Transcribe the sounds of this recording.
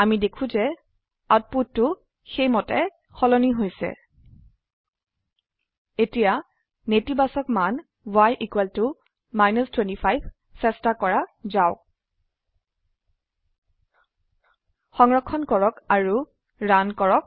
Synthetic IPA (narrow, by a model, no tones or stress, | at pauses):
amidekʰũzɛ | at̚put̚tːʊ | xejmɔtɛ | xɔlɔniɦojsɛ̰ | etija | netibasɔkman | bwajʔikwɛltʊ | majnɔstwentipʰajbʱ | sɛstakɔɹazaʊ | xɔŋɹɔkʰːɔnkɔɹɔkaɹu | ɹankɔɹɔk̚